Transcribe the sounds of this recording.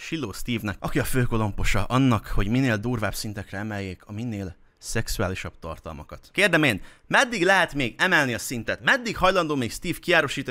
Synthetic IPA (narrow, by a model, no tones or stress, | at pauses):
ʃilːoːst̪iːvnɛkʔɒkiɒføːko̞lo̞mpo̞ʃɒʔɒnːɒkho̞ɟmineːld̪uːrvaːbsint̪ɛkrɛɛmɛjːeːkʰɒminːeːl | sɛksuaːliʃɒb̥̚t̪ɒ̰rt̪ɒ̰lmɒkɒt̪keːrd̪ɛmeːn | mɛd̪ːiɡlɛɦɛt̪meːɡɛmɛlniɒsint̪ɛt̪mɛd̪ːikhɒjlɒnd̪oːmeːkst̪iːfkiaːɾoʃiːt̪o